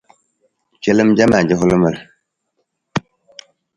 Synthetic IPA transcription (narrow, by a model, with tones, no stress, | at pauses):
t͡ʃe˦lə˦md͡ʒa˦ma˨d͡ʒə˦ɦu˦lə˦mə˦˨l